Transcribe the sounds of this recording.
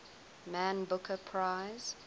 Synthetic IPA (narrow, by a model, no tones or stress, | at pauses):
mæ̃nbʊkəpʰɹaɪz̥